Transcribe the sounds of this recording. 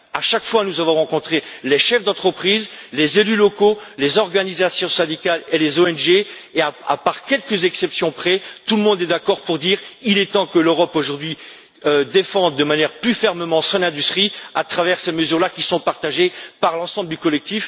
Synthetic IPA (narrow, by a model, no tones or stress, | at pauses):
aʃakfwanuzavɔ̃ʁɑ̃kɔ̃t̪χeleʃɛfd̪ɑ̃t̪χəpχiːzlezelylɔkolezɔʁɡanizasjɔ̃sɛ̃d̪ikalelezoɛnʒe | eaa̰paʁkʲɛlkəzɛksɛpsjɔ̃pχɛt̪uləmɔ̃d̪ɛd̪akɔʁpuʁd̪iʁilɛt̪ɑ̃kəløʁɔpoʒuʁd̪ɥi | ød̪efɑ̃d̪ːəmanjɛʁplyfɛʁməmɑ̃sɔ̃nɛ̃d̪yst̪χiat̪χavɛʁseməzyʁlakʲisɔ̃paʁt̪aʒepaʁlɑ̃sɑ̃bləd̪ykɔlɛk̚t̪if